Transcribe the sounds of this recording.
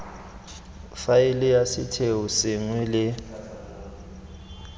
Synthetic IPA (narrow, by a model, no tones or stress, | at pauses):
failɪjasɪtʰeusɪŋwilɪ